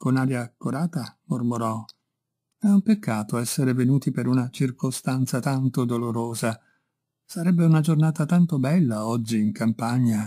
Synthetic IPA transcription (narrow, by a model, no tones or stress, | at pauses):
konaːɾjakːoɾaːt̪amurmoɾɔ | ɛumpekːaːt̪oɛsːeɾevenuːt̪ipeɾunat͡ʃirkost̪ant̪sat̪ant̪od̪oloɾoːza | saɾɛbːeunad͡ʒornaːt̪at̪ant̪obɛlːaɔd͡ʒːiːŋkampaɲːa